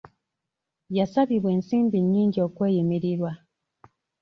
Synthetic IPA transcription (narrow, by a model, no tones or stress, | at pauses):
jasaβiβwe̞ːnsiːmbiɲːiːɲɟio̞kwe̞ːjemiɾiɾwa